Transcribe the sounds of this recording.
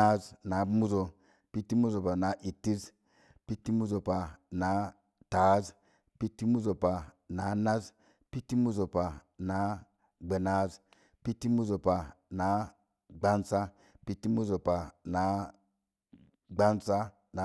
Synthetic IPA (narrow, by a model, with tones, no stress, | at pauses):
a˦zna˨˦mu˦zo˨ | pi˦tːi˦mu˦zo˨pa˨na˨˦ʔi˨tːi˦z | pi˦tːi˦mu˦zo˨pa˨na˨˦ | ta˨˦z | pi˦tːi˦mu˦zo˨pa˨ | na˨˦na˦z | pi˦tːi˦mu˦zo˨pa˨ | na˨˦ | ɡ͡be˨na˨˦z | pi˦tːi˦mu˦zo˨pa˨na˨˦ | ɡ͡ba˦nsa˦ | pi˦tːi˦mu˦zo˨pa˨na˨˦ | ɡ͡ba˦nsa˦ | na˨